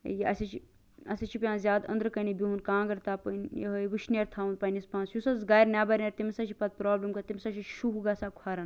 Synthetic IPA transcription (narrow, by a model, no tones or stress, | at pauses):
jiʔɐ̰sʲɐt͡ʃʰi | ɐ̰sɐt͡ʃʰipʲjãːnzʲaːd̪ɐ̰̃nd̪ɾɨkɐnibʲiɦunkãːɡɐɾt̪aːpɐnjɐ̰ɦjʋɨʃnʲeːɾt̪ʰaːʋunpɐnispãːnsjusɐzɡaːjɾnʲaːbɐɾʲnʲɐɾt̪imsɐt͡ʃʰipɐt̪̚pɾaːblɐmkɐt̪imsɐʃʰiʃuɦuɡaːsaːkʰwaːɾɐn